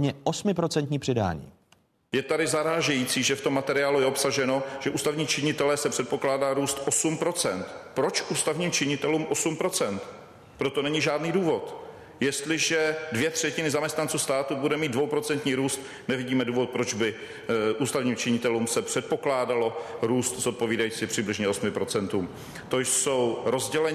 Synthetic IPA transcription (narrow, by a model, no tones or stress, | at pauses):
ɲɛʔosmɪpɾo̞t͡sɛnt̪ɲiːpr̥ɪda̰ːɲḭː | jɛt̪adɪzaɾaːʒɛjiːt͡siːʒɛft̪o̞mːat̪ɛɾɪaːlujɛopsaʒɛno̞ʒ̥ɛʔuːst̪avɲiːt͡ʃɪɲɪt̪ɛlɛsɛpr̝̥ɛt̪̚po̞klaːdaːɾuːst̪ʔosumpɾo̞t͡sɛnt̪pɾo̞t͡ʃʔuːst̪avɲiːmt͡ʃɪɲɪt̪ɛluːmʔosumpɾo̞t͡sɛnt̪ | pɾo̞t̪o̞nɛɲɪʒaːdniːduːvo̞t̪ | jɛst̪lɪʒɛdvjɛt̪r̝̥ɛcɪnɪzamɲɛst̪nant͡suːst̪aːt̪ubudɛmiːd̪dvo̞wpɾo̞t͡sɛnt̪ɲiːɾuːst̪ | nɛvɪɟiːmɛduːvo̞t̪̚pɾo̞d͡ʒbɪ | ʔuːst̪avɲiːmt͡ʃɪɲɪt̪ɛluːmsɛpr̥ɛt̪̚po̞klaːdalo̞ɾuːst̪zot̪̚po̞viːdajiːt͡sɪpr̥ɪblɪʒɲɛo̞smɪpɾo̞t͡sɛnt̪uːm | t̪oso̞wɾo̞zɟɛlɛ